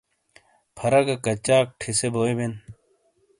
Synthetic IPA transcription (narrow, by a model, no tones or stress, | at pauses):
pʰɐɾɐɡɐkɐt͡ɕaːk̚ʈʰiseboːiben